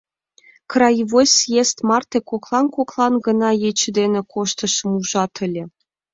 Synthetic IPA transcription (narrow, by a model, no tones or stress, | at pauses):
krɑjvosʲjest̪mɑrt̪ekoklˠɑnkoklˠɑnɡɤ̆nɑjet͡ɕɘd̪enĕkʰoʃt̪ɤ̆ʃɤmuʒɑt̪ʰə̆lʲĕ